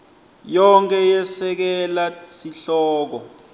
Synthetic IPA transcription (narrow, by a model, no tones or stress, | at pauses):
jɔŋkʰʼɛjɛsɛk̬ɛlasiɬɔːk̬ɔ